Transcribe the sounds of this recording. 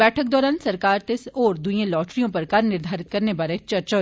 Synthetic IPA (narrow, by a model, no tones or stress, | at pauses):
ɛːʈʰək̚d̪ɔːɾaːnsɐɾkaːɾt̪ɪsɔːɾd̪uiẽlɔːʈɾijõpɐɾkɐɾnɪɾd̪ʱaːɾɪt̪̚kɐɾnebaːɾet͡ʃɐɾt͡ʃa